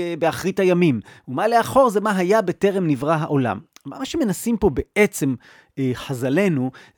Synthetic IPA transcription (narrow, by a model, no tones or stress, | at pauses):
beaχʁitajamimumaleaχo̞ʁzemaɦajabe̞te̞ʁe̞mnivʁaɦaʔo̞la̰mːa̰maʃeme̞nasimpo̞be̞et͡se̞m | ħazale̞nu